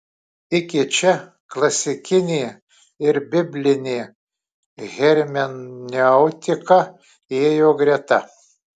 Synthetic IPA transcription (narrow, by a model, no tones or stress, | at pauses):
ɪkʲɪt͡ʃʲɛ | klˠɐsʲɪkʲɪnʲeː | ɪɾbʲɪbʲlʲɪnʲeː | ɣʲɛɾʲmʲɛnnʲeʊt̪ʲɪkɐ | eːjoːɡɾʲɛɛt̪ɐ